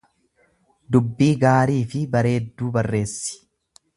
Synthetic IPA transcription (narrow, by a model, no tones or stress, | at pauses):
d̪ʊbːiːɡaːɾiːfɪbɐɾe̞ːd̪ːuːbɐrːe̞ːsːɪ̥